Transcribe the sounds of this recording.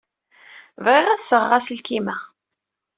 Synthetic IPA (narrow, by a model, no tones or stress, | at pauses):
vʁɪʁæθsəʁːaslkimæ